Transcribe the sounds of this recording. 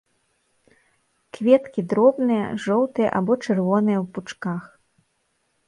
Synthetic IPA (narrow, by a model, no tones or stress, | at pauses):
kvʲɛt̪kʲid̪ɾɔbnɨjɐ̰ʐɔwt̪ɨjɐ̰ʔabɔt͡ʂɛrvɔnɨjɐwput͡ʂkax